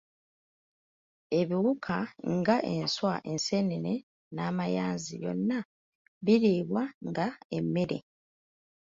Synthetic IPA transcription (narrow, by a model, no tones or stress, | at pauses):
e̞βiwukʰaŋɡaʔe̞nswaʔe̞nseneɾe | naːmajaːnziβjo̞̰nːa | βiɾiːβwaŋɡae̞mːe̞ɾe̞̰